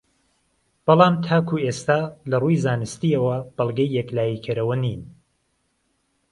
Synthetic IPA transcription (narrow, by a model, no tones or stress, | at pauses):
b̥ɑlˠɑːmt̪ʰaːkʰuest̪aːlɐrujzaːnɨst̪iːɐwɐb̥ɐlˠɡɐjːɛklaːjiːkʰɨɾɐwɐniːn